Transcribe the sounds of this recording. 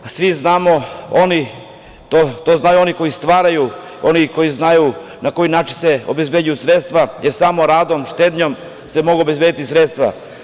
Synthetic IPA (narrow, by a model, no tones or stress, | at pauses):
sʋiznaːmo̞oni | t̪ot̪oznaːjuo̞niko̞jist̪ʋaːɾaju | o̞niko̞jiznaju | nako̞jinaːt͡ʃinse̞o̞be̞zbe̞dujusɾet̪st̪ʋajeɾsamo̞ɾaːd̪o̞mʃt̪eːd̪ɲo̞m | semo̞ɡuobe̞zbed̪it̪isɾet̪st̪ʋa̰